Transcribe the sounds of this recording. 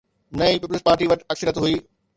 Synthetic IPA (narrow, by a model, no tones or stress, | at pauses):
nɐĩpiːpəlspaːɾʈiʋɐʈɐksəɾjət̪ɦuiː